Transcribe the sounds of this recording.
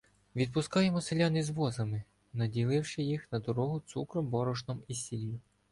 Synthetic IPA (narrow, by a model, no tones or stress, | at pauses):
ʋʲid̪̚pʊskɑjemɔselʲanizʋɔzɐmɪ | nɐdʲilˠɪwʃɪjixnɐd̪ɔɾɔɦʊt̪sukɾɔmbɔɾɔʒnɔmisʲilʲiji